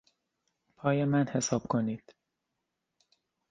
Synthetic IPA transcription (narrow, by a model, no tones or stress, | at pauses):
pʰɒːjemænhe̞sɒːb̥̚kʰo̞niːd̪̥